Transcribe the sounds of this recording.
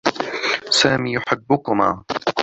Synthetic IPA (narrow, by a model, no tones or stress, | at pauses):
saːmiːjʊħɪbːʊkʊmaː